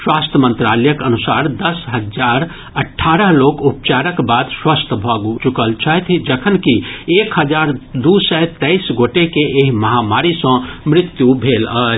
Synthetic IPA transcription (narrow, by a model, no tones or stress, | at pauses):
swaːst̪ʰəmə̃nt̪ɾalɛjəkənusaːɾd̪əsɦəd͡ʒaɾ | əʈʰːaːɾəɦloːkupt͡ʃaɾəkbaːd̪swast̪ʰəbʱəɡt͡ʃukəlt͡ʃʰaɦt̪ʰid͡ʒəkʰənkieːkɦəd͡ʒaːɾd̪usəɦt̪ɛɪsɡoʈekeʔeɦməɦamaːɾisə̃mɾɪt̪jubʱeːləː